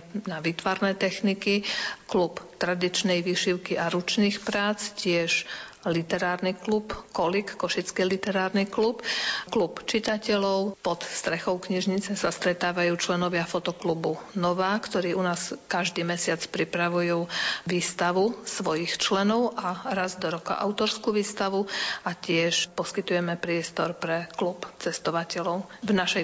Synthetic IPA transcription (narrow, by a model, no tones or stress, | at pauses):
naʋiːt̪ʋaɾnɛt̪ɛxnikiklupt̪ɾad̪it͡ʃnɛjʋiːʃiʊkiʔaɾut͡ʃniːxpɾaːt͡scɪɛʃ | lit̪ɛɾaːɾniklupkɔlikːɔʃit͡skilit̪ɛɾaːɾniklupklupt͡ʃit̪acɛlɔʊpɔt̪st̪ɾɛxɔʊkɲiʒɲit͡sɛsast̪ɾɛt̪aːʋajuːt͡ʃlɛnɔʋɪafɔt̪ɔklubunɔʋaːkt̪ɔɾiːʔunaːskaʒd̪iːmɛsɪat͡spɾipɾaʋujuːʋiːst̪aʋusʋɔjixt͡ʃlɛnɔʊʔaɾazd̪ɔɾɔka̰ʔa̰ʊt̪ɔɾskuːʋiːst̪aʋuacɪɛʃpɔskit̪ujɛmɛpɾɪɛst̪ɔɾpɾɛklupt͡sɛst̪ɔʋacɛlɔʊvnaʃɛ